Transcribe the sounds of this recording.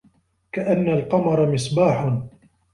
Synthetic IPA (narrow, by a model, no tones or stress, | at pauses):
kaʔanːalqɑmɑɾˤɑmɪsˤbaːħn